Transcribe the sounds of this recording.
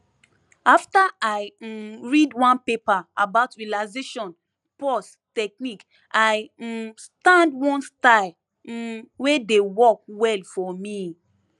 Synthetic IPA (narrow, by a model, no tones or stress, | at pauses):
aftaʔaɪɹidwãnpepaabaʊtɹialaɪzeʃɔ̃n | pɔs | tɛk̚nik | ʔaɪstãndwɔ̃nstaɪl̩ | wedewɔk̚wɛlfɔmi